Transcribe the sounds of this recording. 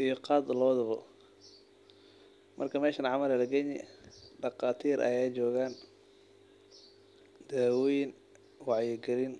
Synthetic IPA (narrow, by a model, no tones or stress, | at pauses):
ʔijɔqɑːd̪lɔːd̪ɐβɔ | mʔɐrkʰɐmɛːʃɐnʕɑmɐlɛlɐɡɛɲɪɖɑqɑːt̪ʰiːrʔɐ̰jaːt͡ʃɔːɣaːn | d̪̥aːwɔjɪn | wɑʕjɛɡɐlɪn